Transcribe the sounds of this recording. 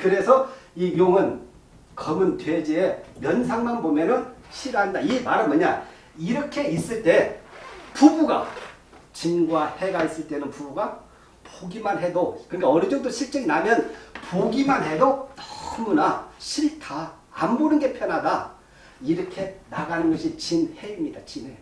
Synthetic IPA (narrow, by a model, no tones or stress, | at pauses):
kɯɾe̞sʰʌijoŋɯn | kʌmɯntwe̞d͡ʑiemjʌnsʰaŋmanbomjʌnɯnɕʰiɾɦandaimaɾɯnmʌɲa | iɾʌkʰe̞is͈ɯɭt͈e̞ | pubuɡa̰ | t͡ɕinɡuwahe̞ɡais͈ɯɭt͈e̞nɯnpubuɡa | poɡimanɦe̞dokɯnikaʌɾɯd͡ʑʌŋ̚tdɯɾɕʰiɭt͡ɕ͈eŋinamjʌnpoɡimanɦe̞dot͈ʌ̥ɯmunaɕʰiɭtʰa | ambonɯnɡe̞pʰjʌnɦada | iɾʌkʰe̞naɡanɯnɡʌɕʰit͡ɕinhe̞imɲidat͡ɕine